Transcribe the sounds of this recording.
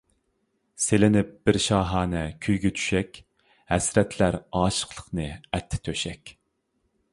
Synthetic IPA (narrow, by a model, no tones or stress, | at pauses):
selɪnɪp̚b̥ɪɾʃɑːɦɑːnɛkʲʰyjɡʲɛt̪ʰy̥ʃɛkʲ | hɛsɾɛt̪ʰlæɾɑːʃə̥qlˠə̥qnɨɛt̪ʰːɪ̥t̪ʰøʃɛkʲ